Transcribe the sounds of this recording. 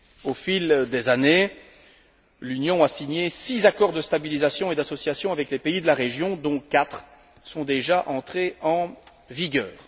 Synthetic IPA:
ofild̪ezane | lynjɔ̃asiɲjesizakɔʁd̪əst̪abilizasjɔ̃ed̪asɔsjasjɔ̃avɛklepeid̪əlaʁeʒjɔ̃d̪ɔ̃kat̪χ | sɔ̃d̪eʒaʔɑ̃t̪χeɑ̃ | viɡʲœ̰ːʁ

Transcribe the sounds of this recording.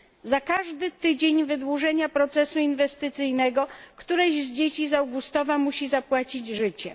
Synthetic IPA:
zakaʐd̪ɘt̪ɘd͡ʑeɲvɘd̪wuʐɛɲapɾɔt̪sɛsuinvɛst̪ɘt̪sɘjnɛɡɔkt̪uɾɛʑzd͡ʑet͡ɕizawɡust̪ɔvamuɕizapwat͡ɕid͡ʑʐɘt͡ɕɛ

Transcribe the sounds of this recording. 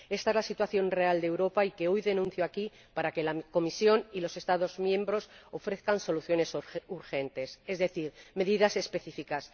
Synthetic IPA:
e̞st̪aezlasit̪waθjõ̞nre̞ald̪ewɾo̞paike̞ojðe̞nũnθjoaki | paɾake̞lako̞misjo̞nilo̞se̞st̪aðo̞zmjẽ̞mbɾo̞so̞fɾe̞θkanso̞luθjo̞ne̞suɾxe̞nt̪e̞se̞zðe̞θiɾme̞ðiðase̞spe̞θifikas

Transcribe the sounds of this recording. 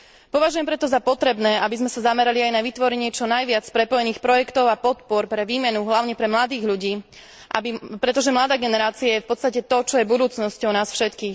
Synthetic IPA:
pɔʋaʒujɛmpɾɛt̪ɔzapɔt̪ɾɛbnɛːabizmɛsazamɛɾaliajnaʋit̪ʋɔɾɛɲɪɛt͡ʃɔnajʋɪat͡spɾɛpɔjɛniːxpɾɔjɛkt̪ɔʊapɔt̪pɔɾpɾɛʋiːmɛnuɦlaʊɲɛpɾɛmlad̪iːɣʎuɟiː | ʔabipɾɛt̪ɔʒɛmlad̪aːɡɛnɛɾaːt͡siajɛfpɔt̪t͡st̪acɛt̪ɔt͡ʃɔjɛbud̪uːt͡snɔscɔʊnaːsfʃɛt̪kiːx

